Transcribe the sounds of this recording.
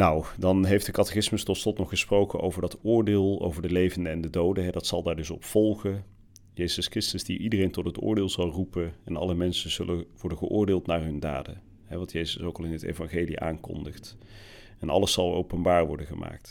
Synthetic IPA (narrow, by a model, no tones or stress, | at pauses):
nawdɑnɦejfdəkɑtəxɪsməstɔtslɔtnɔχːəsprowkənʔo̰wvəɹdɑtʊːɹdɪːlˠo̰wvəɹdəlejvəndəɛndədowdəɦɛdɑtsɑlˠdaːɹdɵsɔpfɔlˠχə | jejz̥əskrɪstəzdiʔidərejntɔtɦətʊ̰ːɹdɪːlˠzɑlˠrupənɛnɑ̰ləmɛnsənzɵləʋɔɹdənɣəʔʊːɹdɪːlˠtnaːɹɦɵnda̰ːdə̰ | ɦɛʋɑntjejzəsowkɑlˠɪnətḛvɑnχeːliʔa̰ːŋkɔ̰ndəχt | ɛnɑ̰ləsɑlˠowpənbaːɹʋɔɹdəχəmʔa̰ːk̚t